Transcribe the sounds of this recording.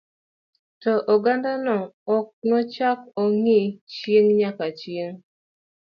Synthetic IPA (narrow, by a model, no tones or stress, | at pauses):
tɔʔoɡandanɔɔk̚nɔt͡ʃakoŋit͡ʃjeŋɲakat͡ʃjeŋ